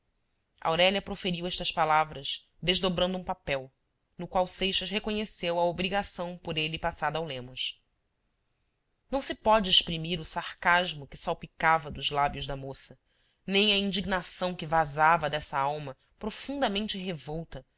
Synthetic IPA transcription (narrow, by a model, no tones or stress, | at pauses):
ɐ̰wɾɛʎɐpɾofeɾiwɛʃt̪ɐʃpalavɾɐʃ | d̪eʒd̪obɾɐ̃nd̪ũpapɛw | nʊkwawsejʃɐʃɦekoɲesewɐobɾiɡasɐ̃w̃pʊɾelɪpasad̪ɐawlẽmʊʃ | nɐ̃w̃sɪpɔd͡ʒɪːʃpɾimiɾʊsaχkaʒmʊkɪsawpikavɐd̪ʊzlabjʊʒd̪ɐmosɐ | nẽj̃ɐĩnd͡ʒiɡnasɐ̃w̃kɪvazavɐd̪ɛsɐawmɐ | pɾofũnd̪ɐmẽnt͡ʃɪɦevɔwt̪ɐ